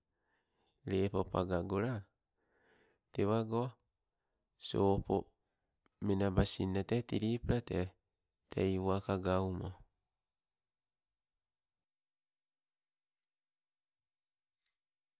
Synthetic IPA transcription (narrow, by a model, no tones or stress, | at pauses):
ɾepopa̰ɡaɡoɾa | teβaɡoa | sopo̰ | menabasinːatetiɾipɾatea | tʰḛjwakaɡawmo